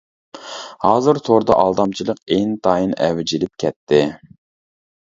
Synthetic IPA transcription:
hɑːzɨɾt̪ʰoɾd̪ɑʔɑlˠd̪ɑmt͡ʃʰilˠəqeŋt̪ʰɑːjinɛ̰wɪd͡ʒilɪp̚kʲʰɛt̪ʰːɪ

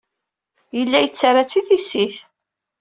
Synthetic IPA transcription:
jəlːæjət͡sːaɾˤat͡sːiθisiθ

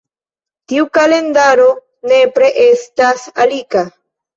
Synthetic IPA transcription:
t̪iukalend̪aɾo | nepɾeʔest̪asalika

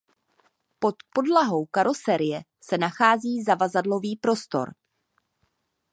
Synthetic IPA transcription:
po̞t̪po̞dlaɦo̞wkaɾo̞sɛɾɪjɛ | sɛnaxaːziːzavazadlo̞viːpɾo̞st̪o̞̰ɾ

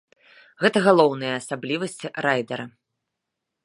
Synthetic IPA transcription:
ɣɛt̪ɐɣalˠɔwnɨjɐːsablʲivɐsʲt͡sʲiɾajd̪ɐɾɐ

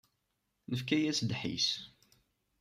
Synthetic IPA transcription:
nəfkæjæsd̪ħḭs

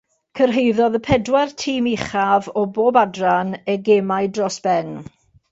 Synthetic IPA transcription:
kʰərɦejðɔðəpʰɛdwartʰiːmiχavɔboːbadranəɡemajdrɔsb̥ɛn

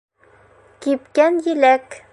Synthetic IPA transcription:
kipkænjɘlæk

